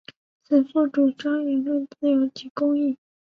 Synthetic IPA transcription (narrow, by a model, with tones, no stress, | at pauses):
t͡s̩ʰ˨˩t͡sɔ˥˩ʈ͡ʂu˨˩ʈ͡ʂɑ˥ŋɥɛ˧˥nlə˥˩nt͡sɹ̩˥˩jo˧˥ʊt͡ɕi˧˥kʊ˥ŋi˥˩